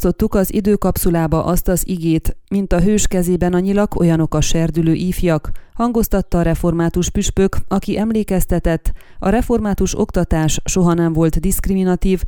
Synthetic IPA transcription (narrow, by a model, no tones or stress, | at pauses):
so̞t̪ːukɒzḭd̪øːkɒpsulaːbɒʔɒst̪ɒziɡeːt̪mint̪ɒɦøːʃkɛzeːbɛnɒɲilɒɡo̞jɒno̞kɒʃɛrd̪yløːʔiːfjɒkhɒŋɡo̞st̪ɒt̪ːɒːɾɛfo̞rmaːt̪uʃpyʃpøkɒkiʔɛmleːkɛst̪ɛt̪ɛt̪ː | ɒɾɛfo̞rmaːt̪uʃo̞̰kt̪ɒt̪aːʃʃo̞ɦɒnɛɱvo̞lt̪d̪iskriminɒt̪iːv